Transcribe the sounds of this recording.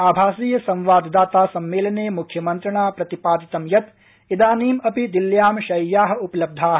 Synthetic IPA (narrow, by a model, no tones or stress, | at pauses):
aːbʱaːsiːjɐsɐ̃mʋaːd̪d̪aːt̪aːsɐmːeːlɐneːmukʰjɐmɐnt̪ɾɐɳaːpɾɐt̪ipaːd̪it̪ɐmjɐt̪ | id̪aːniːmɐpid̪iljaːmʃɐjːaːɦɐ̆upɐlɐb̚d̪ʱaːɦ